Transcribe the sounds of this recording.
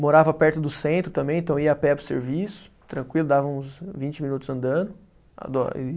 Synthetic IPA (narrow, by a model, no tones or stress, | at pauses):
moɾavɐpɛɾt̪ʊd̪ʊsẽnt̪ɾʊt̪ɐ̃mbẽj̃ẽt̪ɐ̃w̃iɐapɛpɾʊsḛɾvisʊ̥ | t̪ɾɐ̃kwilʊd̪avɐũsvĩt͡ʃɪmĩnut̪ʊzɐ̃nd̪ɐ̃d̪ʊ | a̰d̪ɔ̰ḭ